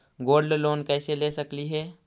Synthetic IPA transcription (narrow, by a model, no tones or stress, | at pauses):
ɡoːɾɖloːnkɛːselesəkliɦɛː